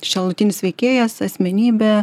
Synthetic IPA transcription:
ʃʲɛlˠʊt̪ʲɪnʲɪsʲʋʲɛɪkʲeːjɛsɐsʲmʲɛnʲiːbʲɛ

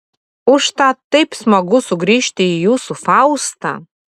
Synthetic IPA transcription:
ʊʃt̪ɑt̪ːɐɪpsmɐɡʊsʊɡɾʲiːʃʲt̪ʲɪijuːsufɑʊst̪ɑ̰

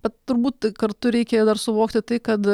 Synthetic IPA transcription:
bʲɛt̪̚t̪ʊɾbuːtt̪kɐɾt̪ʊɾʲɛɪkʲejd̪ɐrsʊʋoːkt̪ʲɪt̪ɐɪkɐt̪

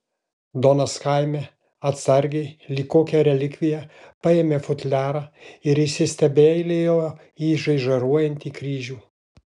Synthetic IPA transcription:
d̪oːnɐskɐɪmʲeː | ɐt̪sɐɾʲɡʲɛɪlʲiːkoːkʲɛɾʲɛlʲɪkʲʋʲɪjɛpɑeːmʲeːfʊt̪ʲlʲæːɾɑːɪɾɪʃʲsʲɪsʲt̪ʲɛbʲeːlʲejoː | iːʒɐɪʒɐɾuɔjɛnʲt̪ʲiːkɾʲiːʒʲuː

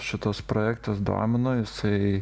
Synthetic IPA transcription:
ʃʲɪt̪oːspɾoːjæːkt̪ɐsd̪o̰ːmʲɪnoːjɪsɐɪ

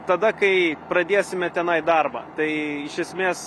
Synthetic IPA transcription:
t̪ɐd̪ɐkɐɪpɾɐd̪ʲeːsʲɪmʲɛt̪ʲɛnɐɪd̪ɐrbɐ̰t̪ɐɪɪʃʲɛsʲmʲeːs

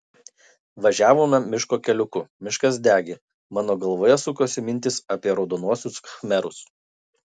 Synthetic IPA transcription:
ʋɐʒʲæːʋoːmʲɛmʲɪʃkoːkʲɛlʲʊkʊmʲɪʃkɐsd̪ʲæːɡʲe | mɑːnoːɡɐlˠʋoːjɛsʊkoːsʲɪmʲɪnʲt̪ʲɪsɐpʲiɛɾɒʊd̪oːnuɔsʲʊskɐxmʲɛɾʊs

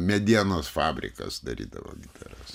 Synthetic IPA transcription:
mʲɛd̪ʲiɛnoːsfɑːbʲɾʲɪ̰kɐ̰sd̪ɐɾʲḭːd̪ɐʋo̰ːɡʲɪt̪ɐɾɐs

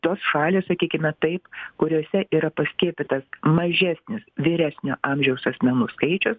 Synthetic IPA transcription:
t̪oːsʃɑːlʲɪːssɐkʲiːkʲɪmʲɛt̪ɐɪpkʊɾʲoːsʲɛʔiːɾɐpɐsʲkʲiɛpʲɪt̪ɐsmɐʒʲæːsʲnʲɪsʋʲɪːɾʲæːsʲnʲo̰ːʔɑːmʲʒʲɛʊsɐsʲmʲɛnuːskɐɪt͡ʃʲʊs

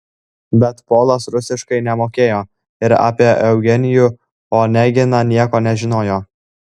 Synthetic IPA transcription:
bʲɛt̪poːlˠɐsɾʊsʲɪʃkɐɪnʲɛmoːkʲeːjoː | ɪɾa̰ːpʲiɛʔɛʊɡʲɛnʲɪju | oːnʲɛɡʲɪnɑnʲiɛkoːnʲɛʒʲɪnoːjoː

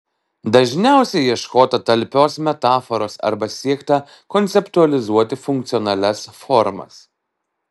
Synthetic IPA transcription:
d̪ɐʒʲnʲæˑʊsʲɛjiɛʃkoːt̪ɐt̪ɐlʲpʲoːsmʲɛt̪ɑːfɔɾoːsɐ̰ɾbɐsʲiɛkt̪ɐ | kɔnʲt̪sʲɛpt̪uɐlʲɪzuɔt̪ʲɪfʊŋk̚t̪sʲɪɔnɐlʲɛsfɔɾmɐ̰s

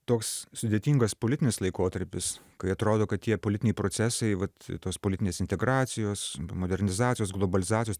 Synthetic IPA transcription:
t̪oːkssʊd̪ʲeːt̪ʲiːŋɡɐspoːlʲɪt̪ʲɪnʲɪslˠɐɪkoːt̪ɐɾʲpʲɪs | kɐɪɐt̪ɾoːd̪oːkɐt̪t̪ʲiɛpoːlʲɪtʲɪnʲɛɪpɾoːsʲæsɐɪʋɐt̪t̪oːspoːlʲɪt̪ʲɪnʲeːsɪnʲt̪ʲɛɡɾɑːt̪sʲɪjoːsmoːd̪ʲɛɾʲnʲɪzɑːtʲt͡sʲɪjoːsɡlˠobɐlʲɪzɑːt͡sʲsʲjoː

